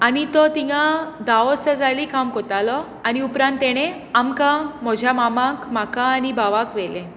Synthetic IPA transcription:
aɽ̃it̪ɔt̪ijad̪aɔsəd͡zalikamkɔt̪alɔ | aɽ̃iupɾãnt̪ːeɽ̃e | amkãm̤ɔd͡ʑʱjamamãkm̤akaːɽibaʋakʋelẽ

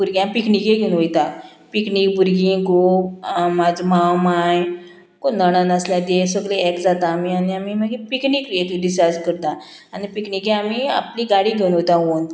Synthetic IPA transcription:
buɾɡjãpiknikeɡʱeunʋojt̪a | pikniːk̚buɾɡĩɡo | mad͡zmãwmaj | konnəɽ̃anasljad̪esəɡleɛkd͡zat̪aːmianiamiməɡipiknikekɖisaɾd͡zkəɾt̪ã | anipiknikẽamia̰pliɡaɽiɡʱeunot̪ãɦon

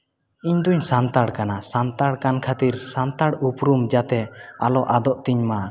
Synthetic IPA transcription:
iɲd̪uɲsant̪aɽkanasant̪aɽkankʰat̪iɾsant̪aɽupɾumd͡ʒat̪ɛalɔʔad̪ɔʔt̪iɲma

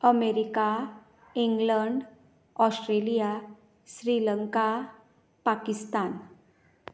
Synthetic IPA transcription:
əmeɾika | iŋɡləɳɖ | ɔsʈɾelija | ɕɾiləŋka | pakist̪an

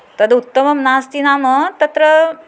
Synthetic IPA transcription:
t̪əd̪ut̪ːəməmnast̪inamət̪ɐt̪ɾə

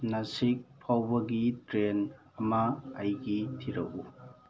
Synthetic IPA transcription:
nasik̚pʰawbɐɡitɾen | ɐmɐːjɡitʰiɾɐ̰ku

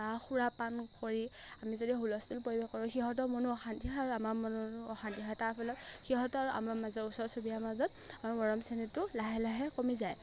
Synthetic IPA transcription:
axuɹapankoɹiamizodiɦulɔstulpoɹibɛxkːɔɹʊ̃xiɦɔt̬ɔmɔnuɔxantiɦɔaɹuamaɹmɔnuɔxantiɦɔjtaɹpʰɔlɔtxiɦɔtɔaɹuʔa̰maɹmazɔusɔɹsobijamazɔt | aɹumɔɹɔmsɛnɛtʊlaɦɛlaɦɛkomizaj

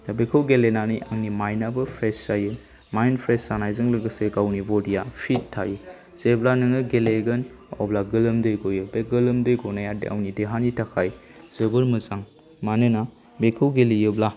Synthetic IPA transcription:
dabekʰɯwɡelenanɯja̰ŋnimajnabɯpʰɾesajɯ | majnpʰɾesanajzɯŋlɯɡɯseɡawnibɔdijapʰittʰːajɯ | z̥eblanɯŋɯɡeleɡɯn | ɔ̰blaɡɯlɯmdɯjɡojɯbeɡɯlɯmdɯjɡɔnajadḛa̰wnideɦanitʰakʰajz̥ɯbɯɾmɯzaŋ | manɯna | bekʰɯwɡelijɯbla

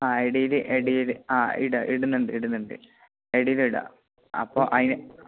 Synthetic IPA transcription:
aːeɽijilɨʔeɽijilɨaːḭɽɐʔiɽunːuɳɖɨiɽunːuɳɖɨ̰ | eɽiliɽa̰ | ɐ̰pːoːʔɐðinɨ

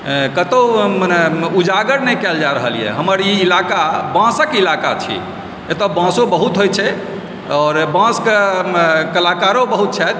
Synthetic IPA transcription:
kət̪onud͡ʒaɡəɾnɛjkɛld͡ʒaɾəɦəlḭjɛ̰ɦəməɾiilakabãsəkilakat͡ʃʰḭ | et̪obãsobəɦut̪ɦojt͡ʃʰɛ | ɔːɾbãske | kəlakaɾobəɦut̪̚t͡ʃʰɛt̪

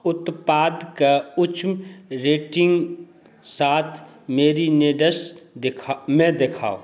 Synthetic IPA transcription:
ʊt̪paːd̪kaʊt͡ʃmɾeːʈɪ̃ŋɡ | saːt̪ʰmeːɾineːɖəsd̪ɪkʰːmɛ̃d̪ekʰa̰ːo̰

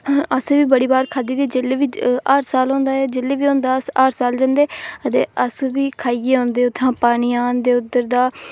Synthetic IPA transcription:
əseːʋiːbəɽiːbaːɾkʰaːd̪iːd̪eːd͡ʒeːleːʋiːaːɾsaːlɦõːnd̪aːɛːd͡ʒeːleːʋiːɦõːnd̪aːəsaːɾsaːld͡ʒãːnd̪eːət̪ḛːʔəsʋiːkʰaːieːɦõːnd̪eːʊt̪ʰːãːpaːɽ̃iːãːd̪eːʊd̪əɾd̪aː

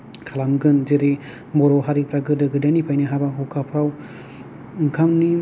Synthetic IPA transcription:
kʰalamɡɯnd͡ʒɯɾi | mɔɾɔɦaɾipɾaɡɯdɯɡɯdanipʰajnɯɦabaɦukapʰɾaw | ŋkʰamni

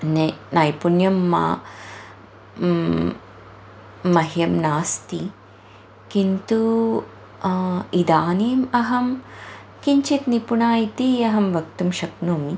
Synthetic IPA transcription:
nnɐjpunjɐmːa̰ | ɐɦjɐmnaːst̪i | kint̪u | id̪aːniːmɐɦɐm | kiɲt͡ʃit̪nipunaːjit̪iɐɦɐmʋɐkt̪umʃɐknoːmi

